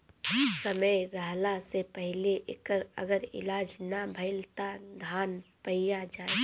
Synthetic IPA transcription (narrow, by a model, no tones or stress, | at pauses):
səməjɾaːlasepəɦleʔɪ̰kəɾə̰ɡəɾɪ̰laːd͡ʒnabʱəɪlt̪ad̪ʱaːnpəijad͡ʒaːe